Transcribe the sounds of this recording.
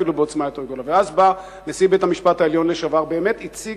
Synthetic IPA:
ilubeot͡smaet̪oɡolaveazba | nesibetamiʃpathaeljo̞nleʃavaʁbe̞ːme̞t̪it͡si

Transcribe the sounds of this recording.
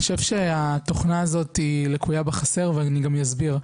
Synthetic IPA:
oʃevʃeat̪o̞χnaːzo̞tilekujabeχase̞ʁveaniɡamjazbiʁ

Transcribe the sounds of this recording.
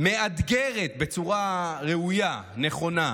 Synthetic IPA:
mead̪ɡeʁet̪̚be̞t͡suʁaʁeujane̞χo̞na

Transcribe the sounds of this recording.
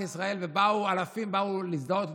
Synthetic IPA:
isʁae̞lvebaualafimbaulisd̪aot̪

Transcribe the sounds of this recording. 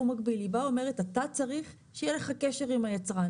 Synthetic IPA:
umaɡbilibaome̞ʁetatat͡saʁiχ | ʃejeleχakeʃe̞ʁimajat͡sʁa

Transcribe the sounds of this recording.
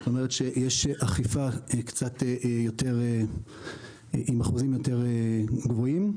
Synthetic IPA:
tomeʁetʃejeʃeʔaχifakt͡sateʔjo̞te̞ʁe | ʔimaχuzimjo̞te̞ʁeɡvo̞im

